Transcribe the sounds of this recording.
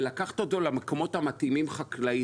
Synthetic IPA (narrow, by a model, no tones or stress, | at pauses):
lakaχt̪ot̪o̞lamekomo̞thamat̪imimχaklai